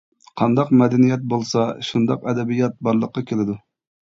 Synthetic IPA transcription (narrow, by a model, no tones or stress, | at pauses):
qʰɑnd̪ɑqmɛd̪ɛnijɛt̪̚bolˠsɑʃund̪ɑqɛd̪ɛbijɑt̪̚bɑɾlˠəqːɑkʲʰelɪd̪u